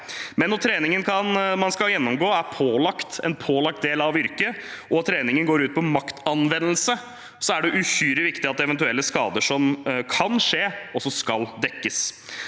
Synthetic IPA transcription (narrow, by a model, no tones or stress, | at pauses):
mɛnːɔt̪ʰɾeːnɪŋənkʰɑnmɑnskɑljɛnːɔmɡoːæɾpʰoːlɑkt̪ɛ̰npʰoːlɑkt̪̚d̪eːlɑʋʏɾkəʔɔt̪ʰːɾeːnɪŋənɡoːɾʉːt̪̚pʰɔmɑkt̪ʰɑnʋɛnːəl̩sə | sɔæɖɛʔʉçyːɾɪʋɪkt̪ɪɑt̪̚d̪ɛʋɛnt̪ʉɛlːəskɑ̰ːd̪əʂɔmkʰɑnʂeːɔsɔskɑld̪ɛkːəs